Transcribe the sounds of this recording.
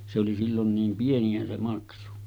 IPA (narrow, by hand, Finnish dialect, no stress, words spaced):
se oli silːon niːm pieniæ se mɑksu